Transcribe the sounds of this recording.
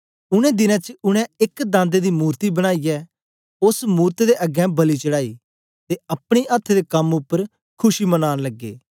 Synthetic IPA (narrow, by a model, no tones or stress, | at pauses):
ʊɽ̃ɛ̃ːd̪ɪnɛ̃ːt͡ʃəʊɽ̃ɛ̃ɪkd̪ãːnd̪ed̪iːmuːɾt̪ibəɽ̃aːijɛː | ʊsmuːɾt̪d̪eʔəɡɛ̃bəlit͡ʃəɽaːḭː | t̪eɐpɽ̃iːʔɐt̪ʰːed̪eːkɐmʊpːəɾ | kʰʊʃimənaːnləɡːḛː